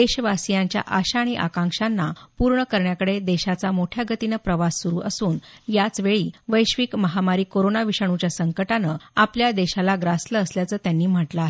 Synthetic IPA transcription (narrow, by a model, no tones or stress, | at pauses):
d̪eɕʋasijaɲt͡ɕja̰ʔaɕaːɽ̃iʔa̰kãŋkʂanːapuɾɳəkəɾɳjakəɽed̪eɕat͡samoʈʰjaɡət̪inəpɾəʋasːuɾuːʔəsuːnjat͡sʋeɭiːʋəjɕʋikməɦamaɾiːkoɾonaʋiɕaɳ̃ut͡ɕjasəŋkəʈanəapljad̪eɕalaɡɾasləːsljat͡səːt̪janːiːm̤əʈlaɦe